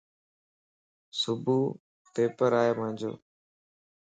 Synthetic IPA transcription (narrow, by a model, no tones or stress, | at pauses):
sʊbʱuː | p̪eːpəɾaːeːmə̃ɪ̃nd͡ʒo̰ː